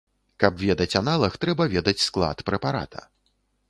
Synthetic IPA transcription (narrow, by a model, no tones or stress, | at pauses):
kɐpvʲɛd̪ɐt͡sʲanalˠɐxt̪ɾɛbɐvʲɛd̪ɐt͡sʲsklˠa̰t̪pɾɛpaɾa̰t̪ʰɐ̰